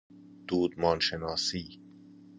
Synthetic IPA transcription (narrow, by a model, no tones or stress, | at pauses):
d̪̥uːd̪mɒːnʃenɒːsiː